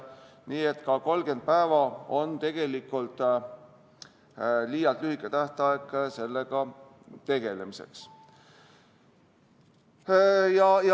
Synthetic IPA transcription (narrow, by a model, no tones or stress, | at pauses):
niːe̞t̪kɑko̞lɡe̞nd̪̥̚pæevɑo̞nt̪e̞ɡ̥e̞likːˑult̪ˑ | liːjɑlt̪lyhikːˑet̪æht̪ɑekːˑse̞lːeɡɑ | t̪e̞ɡ̥e̞le̞mise̞̰ks | jɑj